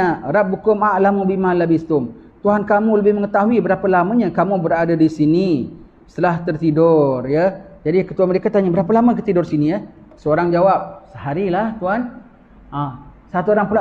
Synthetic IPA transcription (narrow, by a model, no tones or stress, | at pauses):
aɾap̚bukʊmaʔlamũbimalabist̪ʊmt̪uɦankamũləbɪməŋət̪aɦuibəɾapalamaɲãkamũbəɾadadisini | st̪əlaht̪ərt̪idɔrjəd͡ʒadikət̪uanməɾekat̪aɲabəɾapalaməkət̪idʊrsinĩjə | səoɾaŋd͡ʒawap̚səhaɾilaht̪uɦan | asat̪uoɾaŋpəla